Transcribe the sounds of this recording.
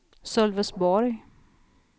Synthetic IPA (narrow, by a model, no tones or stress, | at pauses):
sœlvəsbɔɾj